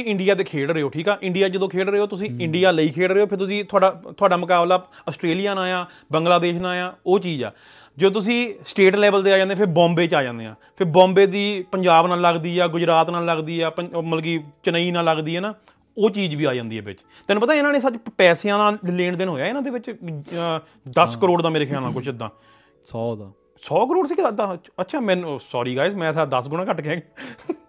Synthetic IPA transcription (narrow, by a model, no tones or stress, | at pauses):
ɪ̃ɳɖijaːd̪eːkʰeːɽəɾːeːoːʈʰiːkɛːʔɪ̃ɳɖijaːd͡ʒəd̪õːkʰeːɽəɾːeːoːt̪ʊsĩːɪ̃ɳɖijaːləiːkʰeːɽɾːeːoːpʰɪɾt̪̬ʊsĩːt̪ʰʊaːɖaːt̪ʰʊaːɖaːməkaːblaːəsʈɾeːlijaːnaːjaː | bəŋɡlaːd̪eːʃnaːjaːoːt͡ʃiːd͡ʒɛ̰ː | d͡ʒoːt̪̬ʊsĩːsʈeːʈlɛːʋəlt̪eːaːd͡ʒãːd̪ẽːpʰɪɾbɔ̃ːmbeːt͡ʃaːd͡ʒã̰ːnd̪ḛːã̰ːpʰɪɾbɔ̃ːmbeːd̪iːpəɲd͡ʒaːbnaːlːəɡd̪iːɛːɡʊd͡ʒɾaːt̪naːlːəɡd̪iːɛːpəməlɡ̬iːt͡ʃəniːnaːlːəɡd̪iːɦɛːnaː | oːt͡ʃiːd͡ʒʋiːaːd͡ʒãːnd̪iːɦɛ̰ːbɪ̰t͡ʃ | t̪ɛːnũːpət̪aːɪnãːneːsət͡ʃpɛːseãːnaːlẽːɳd̪ɪnɦoːjaːɪnãːd̪eːʋɪt͡ʃ | d̪əskəɾoːɽd̪ãːmeːɾeːkʰaːlnaːkʊt͡ʃʰɪd̪ã̰ː | sɔːd̪aː | sɔːkəɾoːɽsiːt̪aətːʃʰaːmɛ̃ːnːsɔːɾiːɡaːɪsmɛ̃ːsaːd̪əsɡʊnãːkəʈkɛːɡː